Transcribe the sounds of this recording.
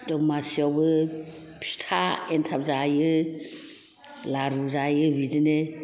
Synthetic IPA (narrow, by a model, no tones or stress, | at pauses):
dɔmasiawbɯ | pʰi̥tʰaentʰap̚zajɯ | laɾuzajɯbidɯne